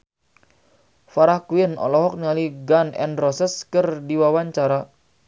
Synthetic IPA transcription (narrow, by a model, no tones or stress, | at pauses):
faɾahkuɪnɔ̰lɔɦɔk̚niŋaliɡanɛ̰nrɔsəskərdiwawaɲt͡ʃaɾa